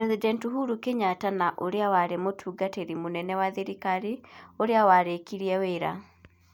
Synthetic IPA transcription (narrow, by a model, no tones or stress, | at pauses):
ɛzidɛntuɦuɾukeɲatanaʔoɾeawaɾemotʰuːɡateɾimonɛnɛwaðeɾikaɾioɾeawaɾekiɾiɛweːɾa̰